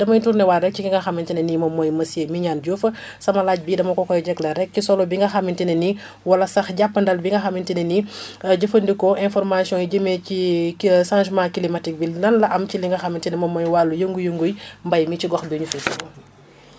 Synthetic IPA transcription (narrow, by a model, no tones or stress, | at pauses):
dɐmɐjituɾnɛwaɾɛk̚ciŋiŋɡɐxɐmintɛnɛnimɔmːɔjmɐsjemiɲaːnɟufɐ | sɐmɐlaɟ̚bidɐmɐkɔkɔjɟɛklɐɾɛk̚cisɔlɔbiŋɡɐxɐmːintɛnɛni | wɐlɐsɐxɟapːəndɐlbiŋɡɐxɐmːintɛnɛniɟəfɐndikɔʔɛnfɔɾmasjɔ̃jiɟəmecisãnʒmakilimɐtik̚binɐnlɐʔɐmciliŋɡɐxɐmːintɛnɛmɔmːɔjwalːujəŋɡujəŋɡujmbɐjmit͡ʃiɡɔxbiɲufɛtikɔ